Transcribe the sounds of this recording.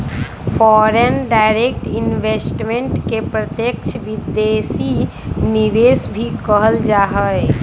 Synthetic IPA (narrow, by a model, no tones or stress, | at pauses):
fɔːɾenɖaɪɾek̚ʈɪnʋesʈmẽɳʈkepɾət̪jək̚t͡ʃʰəʋid̪esi | niʋeːsbʱikəɦəld͡ʒaːɦəe